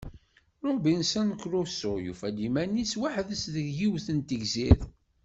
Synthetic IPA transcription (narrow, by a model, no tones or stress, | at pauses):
ɾˤʊbinsænkɾʊsʊʁjṵfælimænːiswaħðəsðəɡjiwθənt̪əɡzið